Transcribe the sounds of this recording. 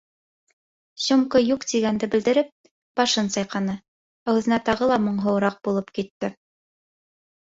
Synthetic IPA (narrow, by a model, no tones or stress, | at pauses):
ɕŏmkɤjuqt̪iɡænd̪ɘbɘ̆ld̪ɘ̆ɾɘp̚ | b̥ɑʃɤnsɑjqɑnɤ | æwðɘ̆næt̪ɑʁɤlˠɑmŏɴɦɤ̆wɾɑq̚bulˠɤpkit̪ːɘ